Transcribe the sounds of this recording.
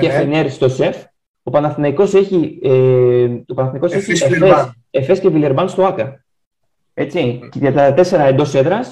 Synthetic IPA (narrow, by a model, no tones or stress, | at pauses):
efeneɾst̪o̞se̞f | opɐnɐθnɐiko̞se̞çieopɐnɐθnɐiko̞seçiees | efe̞scevile̞ɾbɐnst̪oɐkɐ | e̞t͡sicɐt̪ɐɐt̪e̞se̞ɾɐend̪o̞se̞ðɾɐs